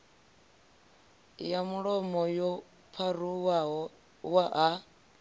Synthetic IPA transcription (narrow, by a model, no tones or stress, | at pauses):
jamuɺɔmɔjɔ | pʰaru | waʔa